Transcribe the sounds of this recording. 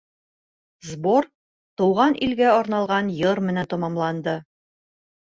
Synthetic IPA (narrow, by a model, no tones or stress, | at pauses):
zboɾ | t̪ŭwʁɑnʔilɡæɒɾnɑlˠʁɑnjɤɾmɘ̆nænt̪ɒmɑmlˠɑnd̪ɤ